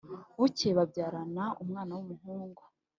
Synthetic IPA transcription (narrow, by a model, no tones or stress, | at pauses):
βuceβabɟaːɾanaumŋaːnawumuɦuːŋɡo